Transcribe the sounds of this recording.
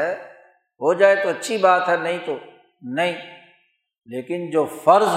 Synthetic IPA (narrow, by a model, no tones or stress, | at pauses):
ɛ | ɦod͡ʑaːet̪oɐtːt͡ɕʰibaːt̪ɦɛnɐɦĩt̪ʰoː | nɐĩː | leːkɪnd͡ʑoːfɐɾz